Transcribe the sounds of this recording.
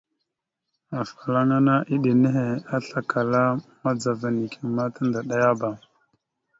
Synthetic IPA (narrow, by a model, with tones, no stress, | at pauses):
a˨fa˨la˦ŋa˦na˦ʔi˦ɗe˨ne˦ɦe˨a˦ɬa˨ka˨la˦ma˦d͡za˨va˨ni˨kʰe˨ma˦ta˦nda˨ɗa˦ja˦ba˨